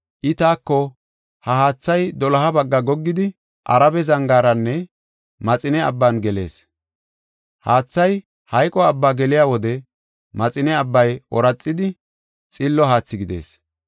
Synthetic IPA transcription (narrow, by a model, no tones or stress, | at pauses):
ʔɪt̪aːkːɔ | hɐɦaːt͡sːɐjd̪ɔlɐɦɐbɐɡːɐɡɔɡːɪd̪ɪ | ʔɐ̰ɾɐbɛzɐŋɡaːɾɐnːɛ | mɐt͡sʼɪnɛɐ̰bːɐnɡɛle̞̰ːs | haːt͡sːɐj | hɐjkʼɔɐbːaːɡɛlɪjaːwɔd̪ɛ | mɐt͡sʼɪnɛɐbːɐjʔɔ̰ɾɐt͡sʼːɪd̪ɪ | t͡sʼɪlːɔɦaːt͡sːɪɡɪd̪e̞̰ːs